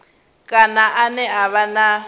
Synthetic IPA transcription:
kʼanaʔanɛaβana

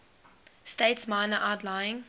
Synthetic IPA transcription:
steɪtsmãɪnəʔaʊtlaɪɪ̃ŋ

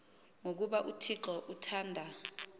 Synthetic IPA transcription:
ŋok̬uɓaʔutʰiǁɔʔutʰaːndʱa

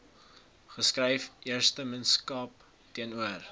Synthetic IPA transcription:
χəskrəjfiərstəmənskɑp | tiənuər

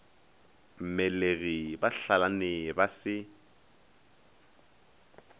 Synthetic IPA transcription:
m̩mɛleɣibaɬalanɪbasɪ

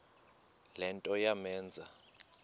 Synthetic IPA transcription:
lɛntʼɔjamɛːnd͡zʱa

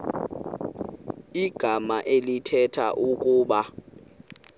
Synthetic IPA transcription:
iɡ̥ʱamaʔelitʰɛtʰaʔukʼuːɓa

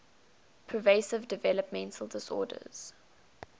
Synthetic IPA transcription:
pʰɹ̥əveɪsɪvdɪvɛləpmɛ̃ntʰəl̩ˠdɪsɔ̰ːdə̰z̥

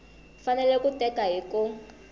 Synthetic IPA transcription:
fanɛlɛkutʼɛkaɦiku

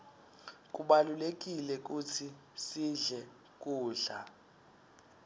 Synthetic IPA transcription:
k̬ʼuɓalulek̬ʼilɛk̬ut͡sʰi | siɮɛ | k̬ʼuːɮa

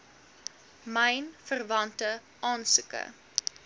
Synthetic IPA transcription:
məjnfərvɐntə | ʔɑːnsʉkə̰

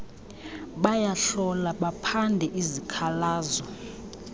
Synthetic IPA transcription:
ɓajaɬɔlaɓapʰandʱɛʔizikʰalaːzɔ

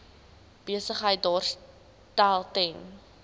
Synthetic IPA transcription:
b̥iəsəχɦəjt̚dɑːrs | tælˠtɛn

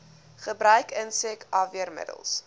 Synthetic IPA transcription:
χəbɾœɥkənsɛkʰɑviərmə̰də̰lˠs

